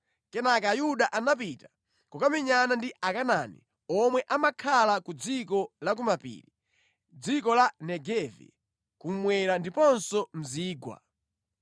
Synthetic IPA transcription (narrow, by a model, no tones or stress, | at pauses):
kɛnakajuɗaʔanap̬ita | kukamiɲanandiʔakananḭ | ɔmwɛʔamakʰalakud͡zikɔlak̬umapḭːɾi | d͡zikɔlanɛɡɛvḭ | kum̩mwɛɾandipɔnsɔm̩ziːɡwa̰